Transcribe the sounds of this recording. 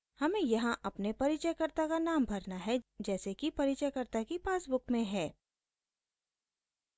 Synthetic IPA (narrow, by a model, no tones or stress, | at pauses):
hɐmẽjɐɦãʔɐpnepɐɾit͡ʃəjkɐɾt̪akanaːmbʱɐɾnaɦɛd͡ʒɛːsekipɐɾit͡ʃəjkɐɾt̪akipeaːsbʊkmẽɦɛː